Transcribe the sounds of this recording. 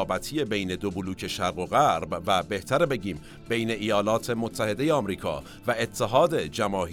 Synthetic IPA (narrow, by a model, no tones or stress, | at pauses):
bæt̪ʰije̞be̞jne̞d̪obuluːcʰe̞ʃæɾɣo̞ɣæɾbvæbe̞ht̪ʰæɾebe̞ɟiːm | be̞jne̞ʔijɒːlɒːt̪ʰe̞mot̪ʰːæhe̞d̪ejeɒːmɾiːkʰɒ̰ː | væet̪ʰːeɦɒːd̪e̞d͡ʒæmɒːh